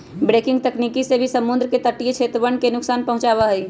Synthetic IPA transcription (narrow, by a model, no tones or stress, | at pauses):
bɾeːkɪ̃ŋɡ̚t̪ɐkniːkisebʱisɐmʊ̃nd̪ɾəket̪əʈːijet͡ʃʰeːt̪ɾəʋənkenʊksaːnpɐɦʊ̃t͡ʃaːʋaɦɛi